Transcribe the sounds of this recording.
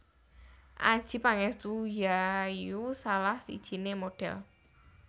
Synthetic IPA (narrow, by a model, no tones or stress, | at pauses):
ʔad̥ʒ̥i̤paŋɛst̪ujajusalahsḭd̥ʒ̥i̤nemoɖ̥ɛ̰l